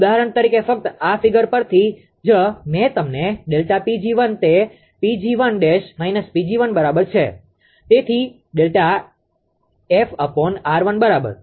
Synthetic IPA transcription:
ud̪aɦəɾəɳt̪əɾikefək̚t̪afiɡəɾpəɾt̪ʰi | d͡ʒəmɛt̪əmneɖelʈapid͡ʒiʋənt̪e | pid͡ʒiʋənɖeʃmainəspid͡ʒiʋənbəɾabəɾt͡ʃʰe | t̪et̪ʰi | ɖelʈa | efəponaɾʋənbəɾabə̰ɾ

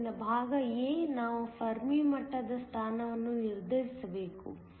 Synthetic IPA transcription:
nɐbʱaːɡɐjeːnaːʋupʰɐɾmiːmɐʈːɐd̪ɐst̪ʰaːnɐʋɐnːuniɾd̪ʱɐɾisɐbeːkṵ

